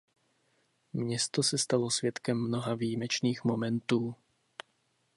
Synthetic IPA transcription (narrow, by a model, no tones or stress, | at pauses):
mɲɛst̪o̞sɛst̪alosvjɛt̪kɛmːno̞ɦaviːjmɛt͡ʃniːxmo̞mɛnt̪uː